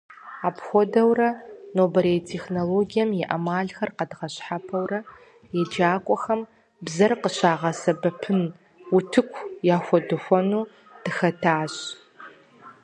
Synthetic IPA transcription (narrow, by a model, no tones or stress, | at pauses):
aːpxʷɔdɐwrɐnoːbɐɾetʰexnoloːɡijɐmjɛʔɐmaːɮxɐrqɐdʁɐɕħapʰɐwrɐ | jɛd͡ʒaːkʷʼɔxɐm | bzɐrqəɕaːʁɐsɐbɐpʰɨn | utʰɨkʷʰjaːxʷɔdɨxʷɔnuː | d̥ɨxɐtʰaːɕ